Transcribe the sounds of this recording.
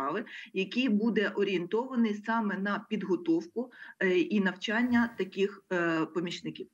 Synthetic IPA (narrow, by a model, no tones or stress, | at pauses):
ɑʋɪjɐkʲijbud̪ɛʔɔɾʲient̪ɔʋɐnɪjsɑmɛnɐpʲid̪ɦɔt̪ɔwkʊinɐwt͡ʃɑnʲːɐt̪ɐkʲɪxpɔmʲit͡ʃnɪkʲiw